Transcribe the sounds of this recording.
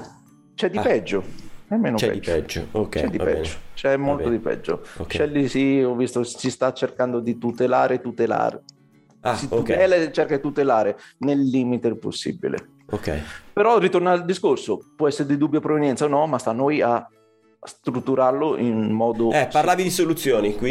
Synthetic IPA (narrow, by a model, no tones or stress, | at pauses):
t͡ʃɛd̪ːipɛd͡ʒːoɛmːeːnoɛ̰id͡ʒːɛd͡ʒokt͡ʃɛd̪ːipɛ̰d͡ʒot͡ʃɛmːolt̪od̪ipɛ̰d͡ʒːo̰ot͡ʃɛlːisiɔvːist̪osist̪at͡ʃːerkand̪od̪it̪ut̪elaːɾet̪ut̪ela̰ːɾḛ | asiut̪ɛːlat͡ʃːerkad̪it̪ut̪elaːɾenelːiːmit̪epo̰sːḭbḭlḛ | okːɛ̰jpeɾɔrit̪ornald̪iskorsopwɔɛsːeɾed̪id̪ubːjapɾovenjɛnt̪saonɔmast̪anːoja | st̪ɾut̪ːuɾaloʔinmɔːd̪oɛpaɾlaːvid̪isolut̪sːjoːnikwi